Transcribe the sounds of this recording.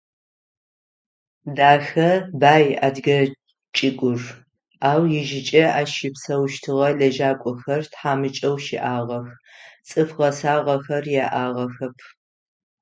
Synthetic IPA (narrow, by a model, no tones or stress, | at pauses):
daːxɐbaːja̰ːdɡɐ | t͡ʃʼɪkʷʼʊr | aːwjɪʒɪt͡ʃʼɐaːʃɪpsɐwʃtʰɨʁɐɮɐʒaːkʷʼɔxɐrtħaːmɨt͡ʃʼɐwʃɪʔaːʁɐxt͡sʼɨfʁɐsaːʁɐxɐrjaːʔaːʁɐxɐpʰ